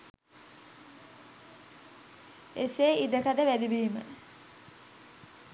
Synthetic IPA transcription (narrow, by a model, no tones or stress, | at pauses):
eseːid̪əkad̪əʋæd̪ibiːmə̰